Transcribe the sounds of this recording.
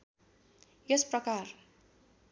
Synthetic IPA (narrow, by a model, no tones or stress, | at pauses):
jesprʌkar